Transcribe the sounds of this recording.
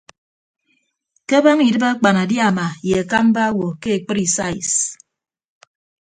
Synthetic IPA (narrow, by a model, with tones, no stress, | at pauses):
ke˦ba˦ŋi˨dɨ˦ba˦k͡pa˨na˨dja˦˨ma˨je˨a˨ka˦m˦ba˦wo˨ke˦e˨k͡pɨ˦ɾi˨sa˦ḭ˨s